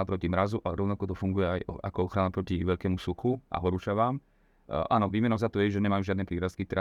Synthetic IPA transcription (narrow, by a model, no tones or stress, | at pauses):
apɾɔcimɾazuʔaɾɔʊnakɔt̪ɔfuŋɡujɛajɔa̰kɔɔxɾanapɾɔciʋɛʎkɛːmusuxuʔa̰ɦɔɾuːt͡ʃaʋaːm | ʔaːnɔʋiːmɛnɔzat̪ɔjɛʒɛɲɛmajuːʒɪad̪nɛpɾiːɾaskit̪ɾa